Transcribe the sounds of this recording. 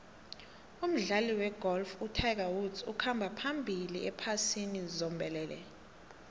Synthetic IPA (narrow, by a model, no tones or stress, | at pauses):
um̩ɮaliwɛɡ̥ɔlfutʰak̬awudzṵkʰambʱapʰambʱilḭʔɛpʰasinizɔmbʱɛlɛːlɛ̰